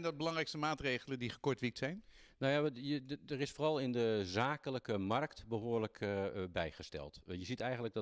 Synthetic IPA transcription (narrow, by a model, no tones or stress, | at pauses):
ɛndɔd̚bəlɑŋrɛjkstəmaːtrejχələndiχəkɔɹtʋik̚tsɛjn | nojaədərɪsfoːrɑlˠɪndəzaːkələkəmɑrktbəɦoːɹləkʰbɛjχəstɛ̰lˠtjəzitɛjχəntləɡ̚dɔ